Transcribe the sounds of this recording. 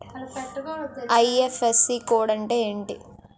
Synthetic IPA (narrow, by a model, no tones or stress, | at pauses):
ʔɐjefesikoːɽɐɳɖeeɳɖḭ